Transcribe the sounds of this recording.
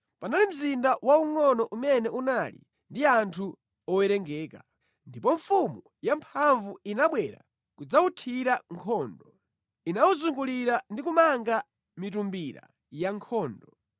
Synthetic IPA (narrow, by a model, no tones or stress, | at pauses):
panalim̩zindawauŋɔnɔʔumɛnɛʔunalḭ | ndiantʰu | ɔwɛɾɛŋɡɛːka | ndipɔɱfumu | jampʰaɱvuinaɓwɛɾa̰ | kud͡zautʰiɾaŋkʰɔːndɔ | inawuzuŋɡuliɾandikumaŋɡa | mit̬umbiɾa̰ | jaŋkʰɔːndɔ